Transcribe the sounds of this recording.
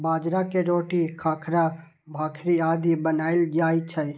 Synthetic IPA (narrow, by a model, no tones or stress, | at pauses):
bad͡ʒɾakeɾoʈikʰakʰɾa | bʱakʰɾiad̪ibənaɪld͡ʒajt͡ʃʰəj